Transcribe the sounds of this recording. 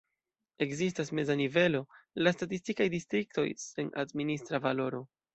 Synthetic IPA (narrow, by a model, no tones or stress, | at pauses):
e̞kzistasme̞zanive̞lo̞lastatistikajdistɾik̚to̞̰jse̞nʔa̰dministɾavalo̞ɾo̞